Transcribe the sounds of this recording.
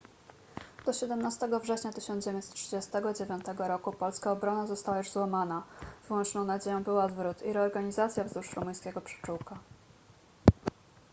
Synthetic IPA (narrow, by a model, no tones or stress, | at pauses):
d̪̥ɔɕɛd̪ɛmnast̪ɛɡɔvʐɛɕɲat̪ɘɕɔnd͡ʑevʲɛ̃nsɛt̪t̪ːʂɘd͡ʑest̪ɛɡɔd͡ʑevʲjɔnt̪ɛɡɔɾɔkupɔlskaɔbɾɔnazɔst̪awajuʐzwamanavɘwɔnt͡ʂnɔ̃w̃nad͡ʑejɔ̃w̃bɘwad̪vɾut̪iɾɛɔɾɡaɲizat̪sʲjavzuʂɾumuj̃skʲeɡɔpʂɛ̥t͡ʂuwka